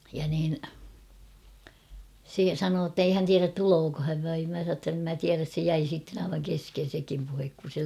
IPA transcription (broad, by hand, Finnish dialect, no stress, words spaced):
jɑ niːn se sɑnoː tːei hæn tiæræt tuloːko hæʋ ʋɑim mæ sɑˑ tː em mæ tiæræs se jæi sitːen ɑiʋɑŋ kesken̞ sekim puhek kun̞ se